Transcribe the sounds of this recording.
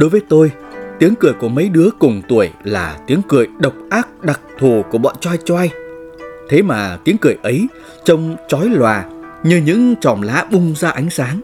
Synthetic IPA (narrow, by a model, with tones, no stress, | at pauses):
ɗo˨˦jvəː˨˦jt̪o˧j | t̪i˨˦əŋkɨ˧˩əjku˧˩əmə˨˦jɗɨ˨˦əkʊ˨˩ŋ͡mt̪u˧˩əjlaː˨˩t̪i˨˦əŋkɨ˧˩əjɗə˨˩wk͡p̚ʔaː˦˥k̚ɗa˨˩k̚t̪ʰo˨˩ku˧˩əɓɔ̰˧˨nt͡ɕɔwa˧jt͡ɕɔ˧ʔa˧j | t̪ʰe˨˦maː˨˩t̪i˨˦əŋkɨ˧˩əjʔə˨˦j | t͡ɕə˧wŋ͡mt͡ɕɔ˨˦jlwaː˨˩ɲɨ˧ɲɨ̰˧˥ŋt͡ɕɔ˨˩mla̰ː˧˥ɓʊ˧ŋ͡mzaː˧ʔa˨˦jŋ̟saː˨˦ŋ